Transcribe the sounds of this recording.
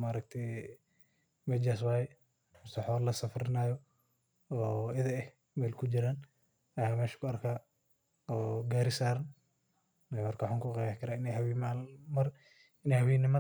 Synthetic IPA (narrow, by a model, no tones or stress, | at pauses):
maːɾɐk̚t̪ʰɛ | mɛd͡ʒas̬waːjɛ | mʊst̪ɐħɔːllɐsɐfrɪnaːjɔ | ɔːɪðɐɛh | mɛlkʰʊd͡ʒɪɾaːn | ɐjaːmɛːʃkʰʊɐrkʰaː | ɔːɡaːɾɪsaːɾɐn | nɛmɐrkɐħɔŋkʰʊqɛjakʰɐɾaːɪnɛhɐwimaːlmɐr | ɪnɛhɐwɛːnɪmɐ